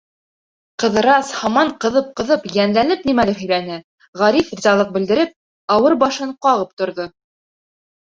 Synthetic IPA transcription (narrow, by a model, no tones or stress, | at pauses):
qɤ̆ðɤ̆ɾɑshɑmɑɴqɤ̆ðɤp̚qɤ̆ðɤpjænlænɘp̚nimælɘɦɵ̆jɾænɘ | ʁɑɾifɾʲizɑlˠɤq̚bɘ̆ld̪ɘ̆ɾɘp̚ | ɑwɤɾbɑʃɤɴqɑʁɤp̚t̪ŏɾðo